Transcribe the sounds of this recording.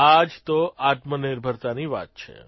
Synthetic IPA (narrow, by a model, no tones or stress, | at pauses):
ad͡ʒt̪oat̪məniɾbʱəɾt̪aniʋa̰t̪̚t͡ʃʰḛ